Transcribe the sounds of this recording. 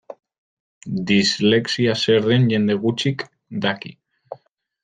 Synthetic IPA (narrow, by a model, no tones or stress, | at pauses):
d̪izle̞ksiase̞ɾðenʝe̞nd̪e̞ɣut͡ʃik | d̪akḭ